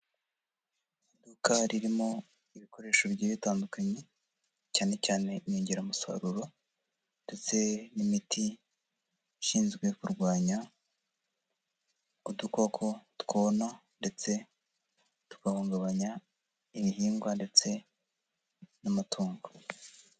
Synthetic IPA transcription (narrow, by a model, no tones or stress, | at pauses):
dukaɾiɾimo̞ | iβiko̞ɾe̞ːʃo̞bɟiβitaːndukʰaɲe̞ | caːne̞caːne̞meːɲɟeɾamusa̰ɾuɾo̞ | nde̞t͡se̞nimitʰi | ʃiːnzɡwe̞kuɾɡwaːɲa | uduko̞kʰo̞tkonande̞t͡se̞ | tu̥kahuːŋɡaβaɲa | imiɦiːŋɡwande̞t͡se̞ | namatʰoːŋɡo